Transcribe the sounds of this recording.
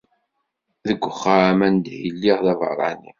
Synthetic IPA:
ðəɡʷːəχːaamænd̪hilːiʁðɑvə̰ɾˤɑ̰nḭ

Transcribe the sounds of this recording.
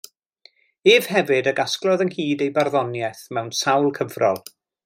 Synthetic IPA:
eːv̥hɛvɨdəɡasklˠɔðənhiːdejbarðɔnjɛθmɛwnsawlˠkʰəvrɔlˠ

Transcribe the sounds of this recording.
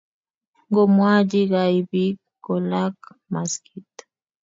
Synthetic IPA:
ŋɡomwad͡ʒiɣaibikːolak | maskit̪

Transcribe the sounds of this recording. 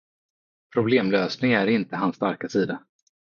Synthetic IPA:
pʰɾʊbleːmløːsnɪŋæɾɪnt̪əɦansːt̪aɾkasiːd̪a

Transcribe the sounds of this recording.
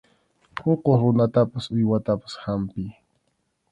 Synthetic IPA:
hoqoχɾʊnat̪apasʊjwat̪apḁshampɪj

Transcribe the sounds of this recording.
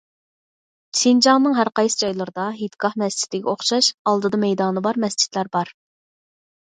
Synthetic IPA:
t͡ʃʰind͡ʒɑŋnɨŋɦæɾqɑjsɨ̥d͡ʒɑjlˠəɾɨd̪ɑɦit̪ɡɑhmɛst͡ʃʰi̥t̪ɪɡʲɛoχʃɑʃɑlˠd̪ɨd̪ɑmɛjd̪ɑːnɨbɑɾmɛsd͡ʒʰi̥t̪læɾbɑɾ

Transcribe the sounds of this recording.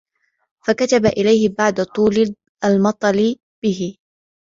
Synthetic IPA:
fakat̪abaʔɪlajhɪbaʕd̪at̪ˤuːlɪ | ʔalmɑt̪ˤɑlɪ | b̥ɪɦɪ

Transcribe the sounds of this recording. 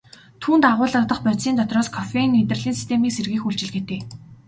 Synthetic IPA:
t̪ʰuːnt̪aʁʊːɮə̆kt̪ə̆χpœt̪siːnt̪ɔt̪rɔːskʰɔfenːet̪rə̆ɮiːnsi̥st̪ʰemiːkserɣiːxuɬt͡ɕɪ̆ɮɡet̪eː

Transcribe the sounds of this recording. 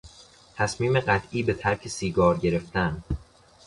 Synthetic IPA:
t̪ʰæsmiːmeɢæt̪ʰʔiːbe̞t̪ʰæɾcʰe̞siːɡɒːɾɟe̞ɾe̞ft̪æn

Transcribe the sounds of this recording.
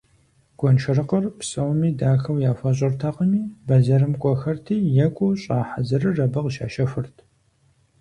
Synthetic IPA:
ɡ̥ʷɔnt͡ʃʰɐɾɨqɐrpsʼɐwmiːdaːxɐwjaːfʷɐɕʼɐrtʰaqəmiːbɐzɐrɨmkʷʼɔxɐrtʰiːjɛkʷʼuɕʼaːħazɐrɨrɐbɐqʃa̰ːʃɐfɨrtʰ

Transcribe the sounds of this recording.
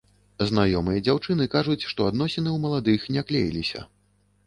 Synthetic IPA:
znajɔmɨjɐd͡zʲawt͡ʂɨnɨkaʐut͡sʲʂt̪ɔad̪nɔsʲɛnɨwmɐlˠad̪ɨxnʲaklʲejḭlʲisʲɐ̰

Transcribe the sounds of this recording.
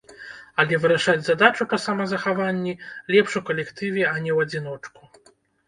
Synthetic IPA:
ɐlʲɛvɨɾaʂad͡zʲzad̪at͡ʂupɐsamɐzɐxavanʲːilʲɛpʂukɐlʲɛkt̪ɨvʲɛɐnʲɛwɐd͡zʲinɔt͡ʂku̥

